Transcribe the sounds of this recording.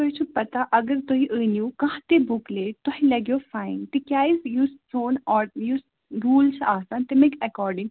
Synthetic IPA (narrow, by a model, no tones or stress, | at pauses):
tt̪oɦit͡ʃʰupɐt̪aʔɐɡəɾt̪oɦiʔəːnjukɐ̃ɦãt̪ebukleːt̪ɔɦĩlɐɡjoːfaːɪ̃nt̪ikʲjaːizjussoːnɔːjus | ɾuːlt͡ʃʰaːsaːnt̪emeɡɐkɔːɾɖɪ̃ŋ